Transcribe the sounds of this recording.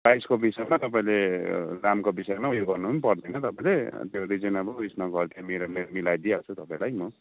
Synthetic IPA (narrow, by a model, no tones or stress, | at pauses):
pajskobisʌjmat̪ʌp̬aĩleramkobisʌemaujoɡɡʌrnupʌnipʌrd̪ʌjnʌt̪ʌpaĩlet̪joɾid͡zinabʌkrisnʌɡʌrt̪imeɾomemilajd̪iat͡sʰut̪ʌpãĩlajmʌ